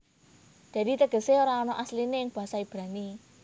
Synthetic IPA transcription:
d̪̥ä̤d̪i̤t̪əɡ̥əseoɾaɔnɔʔaslinejɪŋb̥a̤ɦasaib̥ɾa̤ni

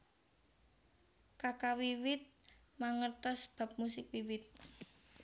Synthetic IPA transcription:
kakawiwɪt̪̚ | maŋərt̪ɔsb̥a̤p̚musɪk̚wiwɪt̪̚

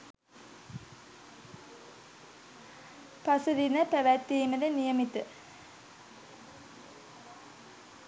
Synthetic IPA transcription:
pɐsɐðinɐpɐʋæt̪ːiːmɐɾɐnijɐmit̪ːɨ

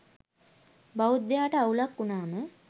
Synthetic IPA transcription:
bɐwd̪jaːʈɐɐwlɐkːunaːnu

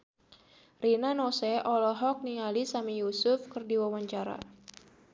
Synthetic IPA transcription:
rinanɔsɛʔɔlɔɦɔk̚nialisamijusʊfkɨrdiwawaɲt͡ʃaɾa̰

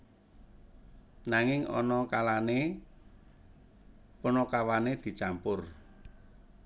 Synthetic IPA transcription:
naŋɪŋɔ̰nɔkalane | pɔnɔkawaned̪̥i̤t͡ʃampʊr

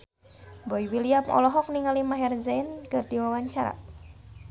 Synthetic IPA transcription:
bɔiwiliamɔ̰lɔɦɔk̚niŋalimaɦɛrzɛnkɨrdiwawaɲt͡ʃaɾa̰

